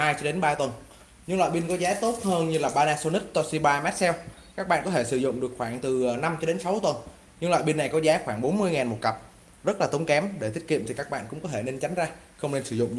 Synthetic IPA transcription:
haː˧jt͡ɕɔ˧ɗe˨˦nɓaː˧t̪wə˨˩n | ɲɨ˧ŋlwa̰ː˧˨jɓi˧nkɔ˨˦zaː˨˦t̪o˦˥t̚həː˧nɲɨ˧laː˨˩ɓaː˧naː˧so˧ni˦˥k̚t̪ɔ˧si˧ɓaː˧mɛ˦˥t̚sɛ˧w | kaː˦˥k̚ɓa̰ː˧˨nkɔ˨˦t̪ʰe˧˩sɨ˧˩zʊ̰˧˨ŋ͡mɗɨ˨˩ək̚xwaː˧˩ŋt̪ɨ˨˩na˧mt͡ɕɔ˧ɗe˨˦nsa˨˦wt̪wə˨˩n | ɲɨ˧ŋlwa̰ː˧˨jɓi˧nːa˨˩jkɔ˨˦zaː˨˦xwaː˧˩ŋɓo˨˦nmɨ˧əjŋaː˨˩nmo˨˩t̚kə˨˩p̚ | zə˦˥t̚laː˨˩t̪ə˨˦ŋ͡mkɛ˨˦mɗe˧˩i˦˥t̚kḭ˧˨mt̪i˨˩kaː˦˥k̚ɓa̰ː˧˨nkʊ̰˧˥ŋ͡mkɔ˨˦t̪ʰe˧˩ne˧nt͡ɕa˨˦ŋ̟zaː˧ | xə˧wŋ͡mne˧nsɨ˧˩zʊ̰˧˨ŋ͡m

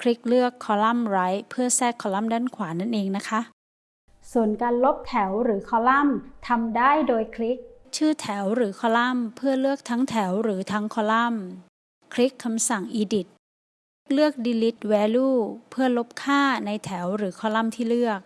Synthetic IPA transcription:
kʰɾi˦˥k̚lɯ˥˩əkʰːɔː˨˦la˥˩mɾa˦˥jpʰɯ˥˩ɐsɛː˥˩kʰːɔː˧˦la˥˩mdaː˥˩nkʰwaː˩˦na˥˩nʔeː˧ŋna˦˥kʰa˦˥ʔ | su˨˩ənkaː˧nlo˦˥p̚t̪ʰɛ˩˦wɾɯː˩˦kʰɔː˧˦la˥˩mt̪ʰa˧mdaː˥˩jdoː˧jkʰli˦˥k̚ | t͡ɕʰɯː˥˩t̪ʰɛ˩˦wɾɯː˩˦kʰɔː˧˦la˥˩mpʰɯ˥˩ɐlɯ˥˩ək̚t̪ʰa˦˥ŋt̪ʰɛ˩˦wɾɯː˩˦t̪ʰa˦˥ŋkʰɔː˧˦la˥˩m | kʰɾi˦˥kʰːa˧msa˨˩ŋʔiː˧di˨˩t̪̚ | k̚lɯ˥˩ək̚di˧li˦˥t̪̚wɛː˧luː˥˩pʰɯ˥˩ɐlo˦˥p̚kʰaː˥˩na˧jt̪ʰɛ˩˦wɾɯː˩˦kʰɔː˧˦la˥˩˨mt̪ʰiː˥˩lɯ˥˩ək̚

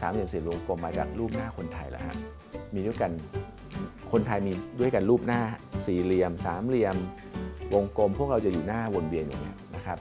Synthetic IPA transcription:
saː˨˩˦mli˧əmsiː˨˩wo˧ŋko˧mːaː˧t͡ɕa̰ː˨˩k̚ɾuː˥˩p̚naː˥˩kʰo˧nt̪ʰa˧jlɛ̰˨˦ha̰˦˥ | miː˧du˥˩˨jka˧n | kʰo˧nt̪ʰa˧jmiː˧du˥˩jka˧nɾuː˥˩p̚naː˥˩siː˨˩li˧əmsaː˨˩˦mli˧əm | wo˧ŋko˧mpʰu˥˩ək̚ɾa˧wt͡ɕa˨˩juː˨˩naː˥˩wo˧nwi˧ənjṵː˨˩ŋi˦˥əna˦˥kʰɾa˦˥p̚

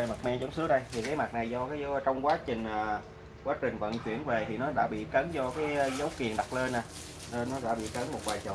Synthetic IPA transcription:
e˨˩ma˨˩mɛ˧zɔ˨˦wŋ͡msɨ˨˦ək̚ɗə˧jt̪ʰi˨˩kaː˨˦jma˨˩t̚na˨˩jzɔ˧kaː˨˦jzə˨˦t͡ɕɔ˧wŋ͡mkwaː˨˦t͡ɕï˨˩ŋ̟ː˨˩ | kwaː˨˦t͡ɕï˨˩ŋ̟və̰˧˨nt͡ɕwi˧˩ənve˨˩t̪ʰi˨˩nɔ˨˦ɗa̰ː˧˥ɓḭ˧˨kə˨˦nzɔ˧kaː˨˦jzə˨˦wki˨˩ənɗa˨˩t̚le˧nːaː˨˩ | n˧nɔ˨˦ɗa̰ː˧˥ɓḭ˧˨kə˨˦nmo˨˩t̚vaː˨˩jt͡ɕɔ̰˧˨

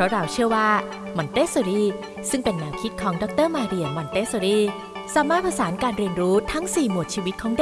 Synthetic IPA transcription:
pʰɾɔ˦˥ɾa˧wt͡ɕʰɯ˥˩əwaː˥˩ | mɔ˧nt̪eː˦˥so˧ɾiː˥˩ | sɯ˥˩ŋpe˧nːaː˧wkʰi˦˥t̪̚kʰɔː˩˦ŋdɔ˦˥k̚t̪ɤː˥˩maː˧ɾi˧əmɔ˧nt̪eː˦˥so˧ɾiː˥˩ | saː˨˦maː˥˩t̪̚pʰa˧saː˩˦nkaː˧nɾi˧ənɾuː˦˥t̪ʰa˦˥ŋsiː˨˩mu˨˩t̪̚t͡ɕʰiː˧wi˦˥t̪̚kʰɔː˩˦d

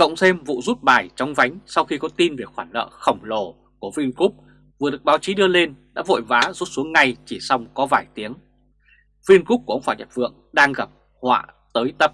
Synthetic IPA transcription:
kə̰˧˨wŋ͡msɛ˧mvṵ˧˨zu˦˥t̚ɓaː˨˩jt͡ɕɔ˧wŋ͡mva˨˦jŋ̟sa˧wxi˧kɔ˨˦t̪i˧nve˨˩xwaː˧˩nlə̰ː˧˨xə˧˩wŋ͡mlo˧˩ | ku˧˩əvi˧nku˦˥k͡p̚ | vɨ˨˩əɗɨ˨˩ə˩k̚ɓaː˨˦wt͡ɕi˨˦ɗɨ˧əle˧nɗa̰ː˧˥vo̰˧˨jvaː˨˦zu˦˥t̚su˨˦əŋːa˧˩jt͡ɕi˧˩sa˧wŋ͡mkɔ˨˦vaː˧˩jt̪i˨˦əŋ | vi˧ənku˦˥p̚ku˧˩ə˧wŋ͡mfaː˧˩ɲa̰˨˩p̚vɨ̰˧˨əŋɗaː˧ŋɣa˨˩p̚ | hwa̰ː˧˨t̪əː˨˦jt̪ə˦˥p̚

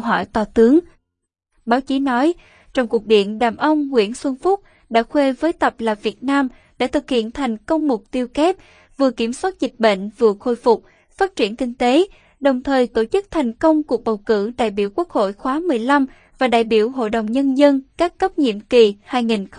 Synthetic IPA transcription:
ɦɔ̰˧˩jt̪ɔ˨˩t̪ɨ˨˦əŋ | ɓaː˨˦wt͡ɕi˨˦nɔ˨˦j | t͡ɕɔ˧wŋ͡mku˨˩ək̚ɗḭ˧˨ənɗaː˨˩mʔə˧wŋ͡mːwḭ˧˥ənswə˧ŋfʊ˦˥t̚ | ɗa̰ː˧˥xwe˧vəː˨˦jt̪ə˨˩p̚laː˨˩vi˨˩ət̚naː˧m | ɗa̰˧˥t̪ʰɨ˨˩k̚hḭ˧˨ənt̪ʰa˨˩jŋ̟kə˧wŋ͡mmʊ˨˩k͡p̚t̪i˧əwkɛ˦˥p̚ | vɨ˨˩əki˧˩əmswaː˦˥t̚zï˨˩k̟̚ɓḛ˧˨ŋ̟vɨ̰˨˩əxo˧jfʊ˨˩k͡p̚ | faː˦˥t̚t͡ɕi˧˩ənkï˧ŋ̟t̪e˨˦ | ɗə˨˩wŋ͡mt̪ʰəː˨˩jt̪o˧˩t͡ɕɨ˦˥k̚t̪ʰa˨˩jŋ̟kə˧wŋ͡mku˨˩ək̚ɓə˨˩wkɨ̰˧˩ɗa̰ː˧˨jɓḭ˧˩əwku˦˥ək̚ho̰˧˨jxwaː˨˦mɨ˨˩əjla˧m | vaː˨˩ɗa̰ː˧˨jɓi˧˩əwɦo̰˧˨jɗə˨˩wŋ͡mɲə˧nzə˧nkaː˦˥kːə˦˥p̚ɲḭ˧˨əmki˨˩haː˧jŋi˨˩n

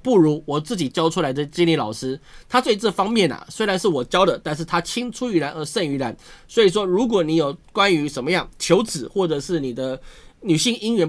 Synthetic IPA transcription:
pu˥˩ɻu˧˥wɔ˨˩t͡sɹ̩˥˩t͡ɕi˨˩t͡ɕjɑ˥ʊʈ͡ʂʰu˥la˧ɪd̪ə˧t͡ɕi˥nli˥˩lɑ˨˩ʊʂɻ̩˥t̪ʰa˥t͡swe˥˧t͡sə˥˩fɑ˥ŋmjɛ˥˨˩nɐ̰˩swe˥ɪɻa˧˦nʂɻ̩˥˩wɔ˨˩t͡ɕjɑ˥ʊd̪ə˨t̪a˥˧nʂ̬ɻ̩˥˩t̪ʰa˥t͡ɕʰi˥ŋt͡sʰu˥y˧˥ɻa˧˦˥nə˧˥ʂə˥˩ny˧˥la˧˥nswɔ˧˥i˨˩ʂ̬wɔ˦˥ɻu˧˥k̬wɔ˨˩˦ni˧˥jo˨˩ʊkwa˦˥ny˧˥ʂə˧˥nmə˧jɑ˥˩ŋt͡ɕʰjo˧˥ʊt͡sɹ̩˨˦xwɔ˥˩ʈ͡ʂɤ˨˩ʂɻ̩˥˩ni˨˩d̪ə˦ny˨˩ɕi˥˩ŋi˥ŋɥɛ˧˥

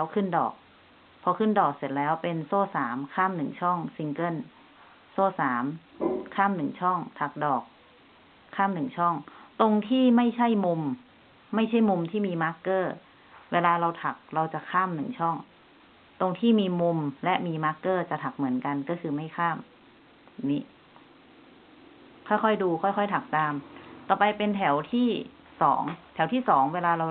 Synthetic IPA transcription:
lɛː˦˥wkʰɯ˥˩ndɔ̰ː˨˩k̚ | pʰɔ˧kʰɯ˥˩ndɔː˨˩k̚se˨˩t̪̚lɛː˦˥wpe˧nsɔː˥˩saː˩˦mkʰaː˥˩˨mnɯ˨˩ŋt͡ɕʰɔ˥˩ŋsi˧ŋkɤ˥˩˨n | sɔː˥˩saː˩˦m | kʰaː˥˩˨mnɯ˨˩ŋt͡ɕʰɔ˥˩ŋt̪ʰa˨˩k̚dɔː˨˩k̚ʰː | aː˥˩mnɯ˨˩ŋt͡ɕʰɔ˥˩ŋt̪o˧ŋt̪ʰiː˥˩ma˥˩jt͡ɕʰa˥˩jmu˧mː | a˥˩jt͡ɕʰa˥˩jmu˧mt̪ʰiː˥˩miː˧maː˦˥kːɤː˥˩ | weː˧laː˧ɾa˧wt̪ʰa˨˩k̚ɾa˧wt͡ɕa˨˩kʰaː˥˩mnɯ˨˩˦ŋt͡ɕʰɔ˥˩ŋ | t̪o˧ŋt̪ʰiː˥˩miː˧mu˧mlɛ˦˥ʔmiː˧maː˦˥kːɤː˥˩t͡ɕa˨˩t̪ʰa˨˩k̚mɯ˨˩˦ənka˧nkɔː˥˩kʰɯː˧ma˥˩jkʰaː˥˩m | ni˦˥ | kʰɔː˥˩jkʰɔ˥˩jduː˧kʰɔː˥˩jkʰɔ˥˩jt̪ʰa˨˩k̚t̪aː˧mt̪ɔː˨˩pa˧jpe˧nt̪ʰɛ˩˦wt̪ʰiː˥˩ | sɔ̰ː˩˦ŋt̪ʰɛ˩˦wt̪ʰiː˥˩sɔː˩˦ŋweː˧laː˧ɾa˧

